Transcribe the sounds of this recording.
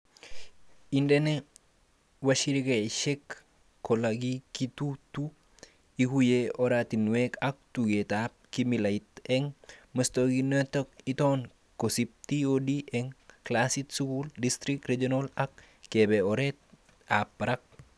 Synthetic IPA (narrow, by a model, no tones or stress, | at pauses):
indene | waʃiɾikeʃek | kːolaɡikitutu | ihujeʔoɾatinwekak̚tuɡetap̚kimilaitɛŋməstoɡinətok̚iton | kosip̚tiodiʔɛŋklasitsukuldist̪ɾik̚ɾed͡ʒonolɐk̚ | kːebeoɾet̚ | apːɾak̚